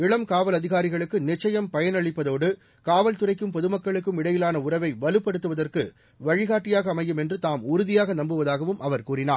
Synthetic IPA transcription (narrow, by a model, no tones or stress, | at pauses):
ɪɭɐmkaːʋɐlɐðɪɣaːɾɪɣɐɭɯkːɯnɪt͡ʃːɐjɐmpɐjɐnɐɻɪpːɐðoːɽɯ | kaːʋɐlt̪ɯrɐɪkːɯmpɔðɯmɐkːɐɭɯkːɯmɪɽɐjɪlaːnɐʊrɐʋɐɪʋɐlɯpːɐɽɯt̪ːɯʋɐðɐrkɯ | ʋɐɻɪɣaːʈːɪjaːɣɐːmɐɪjːɯmɛndrɯt̪aːmʊɾʊðɪjaːɣɐnɐmbɯʋɐðaːɣɐʋɯmʔɐʋɐɾkuːrɪnaː